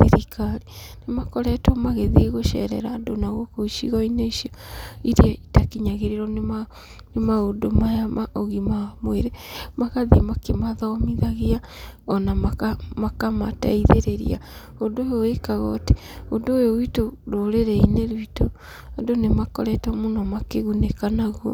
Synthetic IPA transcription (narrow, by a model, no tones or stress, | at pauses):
siɾikʰaɾinemakɔɾɛtɔmaɣeðiɣoʃɛ̰ɾɛ̰ɾaːdonaɣokoiʃḭɣɔineiʃiɔiɾiaitakiɲaɣeɾeɾɔnema | nemaɣodomajamaʔɔɣimamweɾemaɣaðimakemaðɔmiðaɣia | ɔnamakamakama̰ta̰iðeɾeɾḭa̰ | ondojoekaɣɔːte̥ | ondoːjowitoɾoɾeɾɛineɾwito | andonemakɔɾɛtɔmonɔmakeɣunekanaɣɔ̰